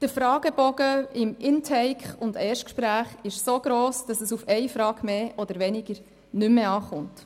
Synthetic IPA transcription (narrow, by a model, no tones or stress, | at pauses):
d̥əfɾɑːɡ̥əbɔɡ̥əɪmɪntʰɛɪkχʊndɛːʃtkʃpɾæːχɪʃsoɡ̥ɾoːsd̥ɑsəsufɛɪfɾɑːɡ̥meːʔɔdəɾʋɛnɪɡ̥əɾ | nʏmːeɑːχʊnt